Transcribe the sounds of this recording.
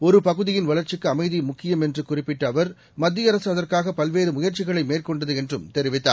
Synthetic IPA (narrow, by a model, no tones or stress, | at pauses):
ɔɾɯpɐɣɯðɪjɪnʋɐɭɐɾt͡ʃɪkːɯɐmɐɪðimʊkːɪjɐmɛndrɯkʊrɪpːɪʈːɐːʋɐɾ | mɐd̪ːɪjɐɾɐsɯɐðɐrkaːɣɐpɐlʋeːɾɯmʊjɐɾt͡ʃɪɣɐɭɐɪmeːrkɔɳɖɐðɯɛndrɯmt̪ɛɾɪʋɪt̪ːa̰ː